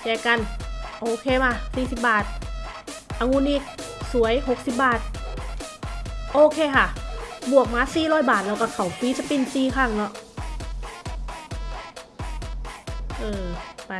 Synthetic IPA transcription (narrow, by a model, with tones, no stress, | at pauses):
jaː˧˩ka˧˨nʔoː˧kʰeː˧maː˧˩siː˧˩si˧˩p̚baː˨˩t̪̚ | ʔa˧ŋu˧˥nʔiː˧˩k̚su˨˦əjho˧˩k̚si˧˥p̚baː˨˩t̪̚ | ʔoː˧kʰeː˧kʰa˧˩bu˨˩ək̚maː˧˥siː˨˩lɔː˧˥˩jbaː˨˩t̪̚lɛː˧˩wkaː˧˩kʰa˧˩wfiː˧˥t͡ɕa˧˥pi˧˩˨nsiː˧˩kʰaː˧˩˨ŋnɔ˧˩ʔ | ʔɤː˧pa˧